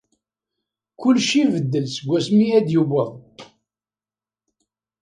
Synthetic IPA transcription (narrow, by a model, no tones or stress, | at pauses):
kʊlːʃivəd̪ːəlsəɡʷːæsmiæd̪jubəðˤ